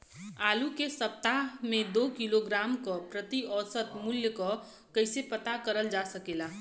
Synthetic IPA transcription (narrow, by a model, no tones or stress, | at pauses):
alukesəp̚t̪amed̪okiloɡɾamkʌpɾət̪iɔsət̪muljəkɔ | kəjsepət̪akəɾəld͡ʒasəkela